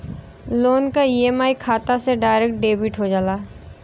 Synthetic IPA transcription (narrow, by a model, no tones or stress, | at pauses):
loːnkaiemaːikʰaːt̪aseɖaːɪɾek̚ʈ̚ɖeːbiʈɦod͡ʒaːlaː